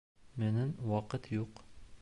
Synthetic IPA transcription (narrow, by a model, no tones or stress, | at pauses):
mɘ̆nɘnwɒqɤt̪juq